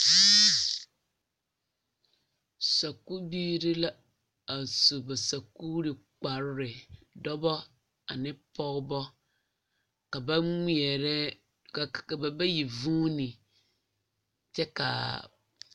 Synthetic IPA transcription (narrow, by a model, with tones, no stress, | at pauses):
sa˨ku˦biː˦ɾɪ˦la˦ | a˨su˨bɛ˨sa˨ku˦ɾɪ˨k͡pa˨ɾɾɪ˨dɔ˦bɔ˦ | a̰˨nɪ̃˦pʰɔ˦bɔ˦ | ka˨ba˦ŋi˦ɛ˨ɾɛ˦ | ka˨ka˨ba˨bɛ˦ji˨vũ˦nĩ˨ | tʰɛ˦ka̰˨